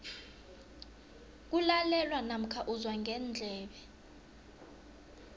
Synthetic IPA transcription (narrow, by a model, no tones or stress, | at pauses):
k̬ulalɛlwanam̩kʰaʔuzwaŋʱɛnd͡ɮʱɛːɓɛ